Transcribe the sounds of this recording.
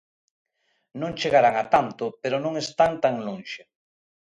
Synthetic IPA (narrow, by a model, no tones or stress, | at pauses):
nõŋt͡ʃeɣaɾaŋat̪ant̪ʊpeɾonõŋest̪aŋt̪aŋlonʃe